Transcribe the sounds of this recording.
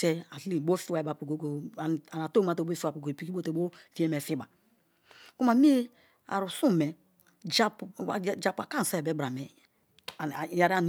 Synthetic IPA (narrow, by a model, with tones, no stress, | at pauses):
e˦a˨ɬi˨bo˦fi˦wɛ˨ba˨po˨ɡo˨ɡo˨a˨na˨to˦ma˨to˨˦fa˨po˨ɡo˨pi˨ki˦o˦to˨˦o˦fi˦e˦mɛ˨fi˦ba˨ | ku˦ma˨mi˦e˦ | a̰˨ɾu˨su˦˨mɛ˨ | d͡ʒa˦pa̰˨˦d͡ʒa˦pu˨a˨ka˦˨sa˦ɛ˨bɛ˦bɾa˨mɛ˨ | ja˨ɾa˦˨n˨